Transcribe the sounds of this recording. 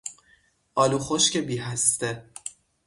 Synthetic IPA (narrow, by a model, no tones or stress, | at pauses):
ɒːluːxoʃkcʰebiːɦæst̪e